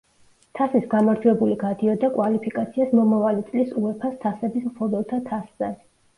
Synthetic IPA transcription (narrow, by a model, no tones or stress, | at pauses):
t̪ʰasisɡamaɾd͡ʒʰuɛbuliɡad̪iɔd̪akʼwalipʰikʼat̪sʰiasmɔmavalit̪sʼlisuɛpʰast̪ʰasɛbismqʰɔbɛlˠt̪ʰat̪ʰaszɛd̪